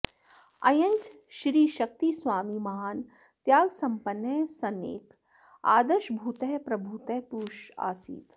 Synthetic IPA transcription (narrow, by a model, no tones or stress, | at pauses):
ɐjɐɲt͡ʃ | ʃɾiːʃɐk̚t̪isʋaːmimɐɦaːn | t̪jaːɡsɐmpɐnːɐsɐnḛːk | a̰ːd̪əɾʃbʱuːt̪ɐɦpɾɐbʱuːt̪ɐɦpuʃa̰ːsḭːt̪